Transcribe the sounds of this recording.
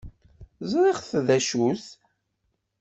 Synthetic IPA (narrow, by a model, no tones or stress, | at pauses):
zˤɾˤeʁθðæʃus